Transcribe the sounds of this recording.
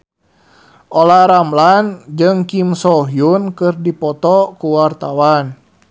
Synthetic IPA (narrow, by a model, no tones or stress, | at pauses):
ʔolaɾamland͡ʒɨŋkimsɔɦjunkɨrdipɔt̪ɔkuwart̪awan